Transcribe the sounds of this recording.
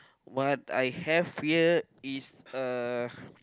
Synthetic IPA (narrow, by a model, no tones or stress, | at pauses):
wɔta̰jhɛvhiə | isə